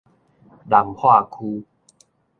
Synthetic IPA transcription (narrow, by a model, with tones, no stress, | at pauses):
da˨˩ŋhʰwa˥˩kʰuː˧